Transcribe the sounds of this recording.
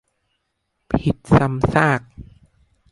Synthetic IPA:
pʰi˨˩t̪̚sa˧msaː˥˩k̚

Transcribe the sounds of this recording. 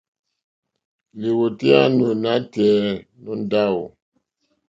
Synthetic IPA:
li˨wo˨te˦a˦no˨na˦tɛː˨˦ | nɔ˦n˦da˦˨wṵ˨

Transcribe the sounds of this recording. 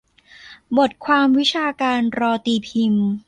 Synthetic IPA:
bo˨˩t̪̚kʰwaː˧mwi˦˥t͡ɕʰaː˧kaː˧nɾɔː˧t̪iː˧pʰi˧m

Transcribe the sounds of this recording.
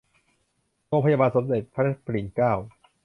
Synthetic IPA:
ɾoː˧pʰa˧jaː˧baː˧nso˩˦mde˨˩t̪̚pʰa˦˥a˦˥pʰli˨˩˦nkaː˥˩w

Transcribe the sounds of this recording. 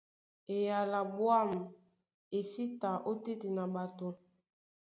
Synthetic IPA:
e˨ja˨la˨bwa˦˨m˨ | e˨si˦ta˨ʔo˦te˦ti˨na˨ba˨to˨

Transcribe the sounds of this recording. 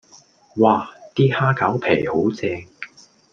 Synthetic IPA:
waː˨˧t̪iː˥haː˥kʰɐː˨˥wpʰḛː˨˩jho˨˥wt͡sɛː˧ŋ

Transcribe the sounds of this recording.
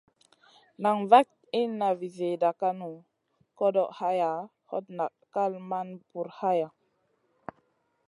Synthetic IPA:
na˨ŋva˦k̚ | i˦nːa˨vi˨ze˨da˨ka˦nu˨ | ko˦do˨ʔha˦ja˨ | ho̰˦tna˨ʔkːa˦lma˦npu˨ɾha˦ja˨

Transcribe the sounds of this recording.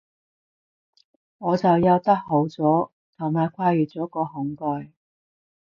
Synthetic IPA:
ŋɔː˨˧t͡sɐ˨wjɐ˧wt̪ɐ˥k̚ho˨˥wt͡sɔː˨˥ | t̪ʰʊ˨˩ŋmaː˨jkʷʰaː˧jyː˨t͡sɔː˨˥kɔː˧ɦʊ˨˥ŋkɔː˧j

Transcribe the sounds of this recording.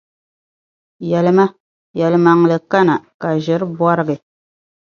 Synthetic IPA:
jɛ˨lɨ˦ma˦ | jɛ˨lɨ˨ma˨ŋ˨lɨ˨ka˦na˨ka˨ʒɪ˨˦ɾɨ˦bɔ˦ɾɨ˦ɡɨ˨

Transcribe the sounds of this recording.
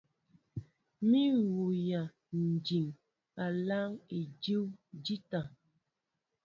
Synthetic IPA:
mi˦wu˨ja˨ | n̩˨d͡ʒi˨ŋ | a˨la˦ŋe˨d͡ʒi˦wd͡ʒi˦ta˨

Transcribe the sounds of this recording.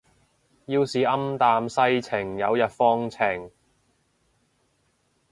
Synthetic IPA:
jiː˧wsiː˨˧ʔɐ˥mt̪aː˨˧msɐ˧jt͡sʰɪ˨˩ŋjɐ˨˧wjɐ˨t̚fɔː˧˥ŋt͡sʰɪ˨˩ŋ

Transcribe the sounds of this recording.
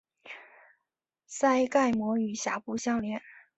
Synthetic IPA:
sa˥ɪka˥˩ɪmwɔ˧˥y˨˩ɕja̰˧˥˩pu˥˧ɕjɑ˥˩ʊljɛ˧˥n

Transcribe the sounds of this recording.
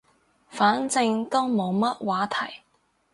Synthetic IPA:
faː˨˥nt͡sɪ˧ŋt̪ɔː˥wmo˨˧wmɐ˥t̚waː˨˥t̪ʰɐ˨˩j

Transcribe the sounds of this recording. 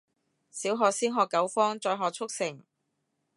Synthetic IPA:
siː˨˥wɦɔː˨k̚siː˥nɦɔː˨kːɐ˨˥wfɔː˥ŋt͡sɔː˧jɦɔː˨k̚t͡sʰʊ˥k̚sɪ˨˩ŋ

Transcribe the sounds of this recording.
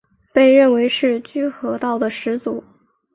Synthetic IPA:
pe˥˧ɪɻə˥˩nwe˧˥ɪʂɻ̩˥˧t͡ɕy˥xɤ˧˥t̪ɑ˥˩ʊd̪ə˩ʂɻ̩˧˥t͡su˨˩˦

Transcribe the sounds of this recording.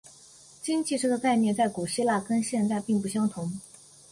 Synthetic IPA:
t͡ɕi˥nt͡ɕʰi˥˧ʂ̩˥d̪ə˧t͡sa˥˧ɪmjɛ˥˧nt͡sa˥˩ɪku˨˩ɕi˥la˥˩kə˥nɕjɛ˥˧nt͡sa˥˧ɪpi˥˧ŋp̬u˥˩ɕjɑ˥ŋt̪ʰʊ˧˥ŋ

